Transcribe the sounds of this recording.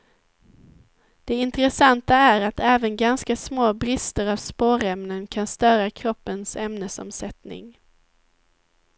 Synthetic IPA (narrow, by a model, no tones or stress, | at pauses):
d̪̥ɛɪnt̪əɾɛsant̪aæɾat̪ɛːvənɡanskasmoːbɾɪst̪əɾavspoːɾɛmnənkʰanst̪œːɾakʰɾɔpːənsɛmnəsɔ̰msɛt̪nɪ̰ŋ